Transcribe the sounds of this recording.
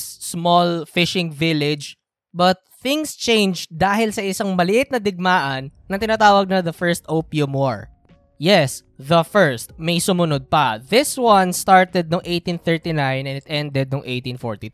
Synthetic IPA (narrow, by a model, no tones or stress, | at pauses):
smɔlfɪʃɪŋvɪlɪd͡ʒ | bɐt̪̚θɪŋst͡ʃẽjnd͡ʒd̪aːhɪlsɐʔɪsɐŋmɐlɪʔɪt̪̚nɐd̪ɪɡ̚maːʔɐnːɐt̪ɪnaːt̪aːwɐɡ̚nɐðɐfɛɹst̪ʔopiʊmɔɹ | jɛs | ðɐfɛɹst̪̚mɐjsʊmʊnod̪̚pɐðɪswɐnst̪aɹt̪ɛd̪̚noŋʔejt̪ĩnθɛɹt̪inãjnɛ̃nɪt̪ʔɛnd̪ɛd̪̚noŋʔejt̪ĩnfo̰ɹt̪i